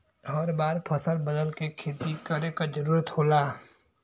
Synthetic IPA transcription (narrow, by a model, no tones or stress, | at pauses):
ɔːɾbaːɾpʰəsəlbəd̪əlkekʰeːt̪ikəɾẽkad͡ʒəɾuːɾət̪hoːlaː